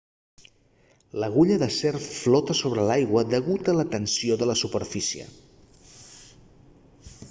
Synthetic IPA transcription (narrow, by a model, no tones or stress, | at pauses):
ləɣuʎəðəsɛrflɔt̪əsoβɾəlajɣwəðəɣut̪ələt̪ənsioðələsupəɾfisiə̰